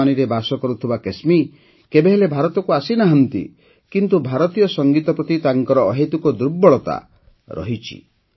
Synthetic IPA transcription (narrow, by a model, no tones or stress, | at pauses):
aniɾebasɔkɔɾut̪ʰibakesmi | kebeɦelebʱaɾɔt̪ɔkuasinaɦɔnt̪ḭ | kint̪ubʱaɾɔt̪ijɔsɔŋɡit̪ɔpɾɔt̪it̪aŋkɔɾɔːɦet̪ukɔd̪ɾubːɔɭɔt̪a̰ | ɾɔ̰ɦit͡ʃʰḭ